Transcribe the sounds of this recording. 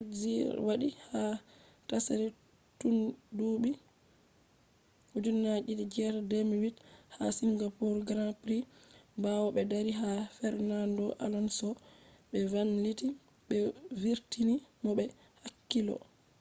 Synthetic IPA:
d͡ʒiɾwaɗiha | tasaɾɛ | tunduɓi | ud͡ʒunːad͡ʒidid͡ʒɛɾdemwitha̰siŋɡapuɾɡɾapɾibawɔɓɛdaɾiɦafɛɾnandɔʔa̰lɔnsɔɓɛvanliti | ɓɛviɾtinimɔɓɛ | hakːilɔ̰

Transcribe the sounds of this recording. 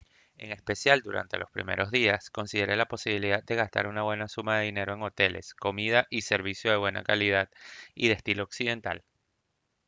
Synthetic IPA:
e̞ŋe̞spe̞sjald̪uɾa̰nt̪e̞lo̞spɾḭme̞̰ɾo̞zðiasko̞nsiðe̞ɾe̞lapo̞siβ̞iliðad̪̚d̪e̞ɣ̞ast̪a̰ɾunaβwe̞nasumaðe̞ðine̞ɾo̞e̞ŋo̞t̪e̞le̞̰sko̞mið̞aʔise̞ɾβ̞isjo̞ð̞eβwe̞na̰kalið̞aðiðest̪ilooksiðe̞nt̪a̰l

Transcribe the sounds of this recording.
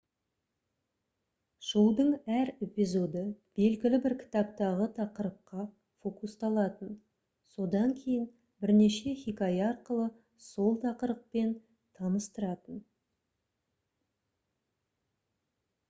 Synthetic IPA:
ʒ̥əlˠd̪əɴæɾe̞pizo̞d̪əb̥e̞lɡʲɪlɪbɪɾkʲʰɪ̥t̪ɑpt̪ɑʁət̪ʰɑqəɾəp̚qɑ | fo̞kust̪ɑlˠɑt̪ən | so̞d̪ɑŋkʲʰe̞jɪn | bɪɾne̞ʃe̞χʲikɑjɑɾqəlˠə | so̞lˠt̪ʰɑqəɾəq̚pe̞n | t̪ʰɑnəst̪əɾɑt̪ən

